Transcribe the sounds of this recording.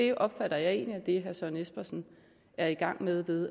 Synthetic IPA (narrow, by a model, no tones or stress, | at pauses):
e̝ʔɒ̽b̥fæɾ̥ɐjɑ̈ɪe̝̰ːnliæd̥e̝ɦæɐsɒnesb̥ɐsn̩ | æɐiɡ̥ɑ̈ŋ̰með̞ˠʋe̝ðˠ